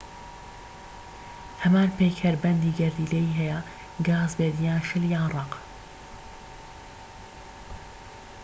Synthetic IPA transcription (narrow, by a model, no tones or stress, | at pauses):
hɐmaːnpeːkʰhɐɾbɛnd̪iːɡɐɾd̪iːlejiːɦɛjɐ | ɡaːzbeːd̪ijaːnʃɪljaːnrˤɑq